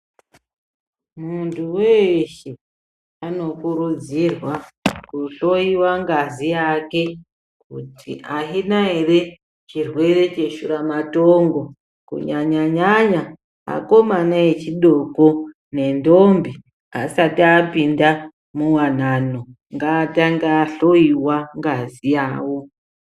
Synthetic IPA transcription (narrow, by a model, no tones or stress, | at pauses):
muntʰuweʃe | ano̞kuɾud͡zirwakuɬo̞iwaŋɡazijake̞ | kutʰiʔaɦinaere̞ | t͡ʃirwe̞re̞t͡ʃe̞ʃuɾamato̞ːŋɡo̞ | kṵɲaɲaɲaɲa | a̰ko̞manaje̞t͡ʃiɗo̞ko̞ | ne̞ndo̞mbi | a̰satiaːpinda | muwan̤ano | ŋɡaːtaŋɡaɬo̞iwaŋɡazijaːwo̞